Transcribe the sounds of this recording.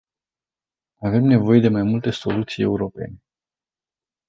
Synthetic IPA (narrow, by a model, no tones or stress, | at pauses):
ave̞mne̞vo̞je̞d̪e̞majmult̪e̞so̞lut̪sije̞̰uɾo̞pe̞̰ne̞